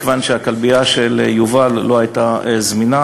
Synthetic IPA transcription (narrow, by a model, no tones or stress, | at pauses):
kvanʃeakalbiaʃeljuvalːohajt̪azmina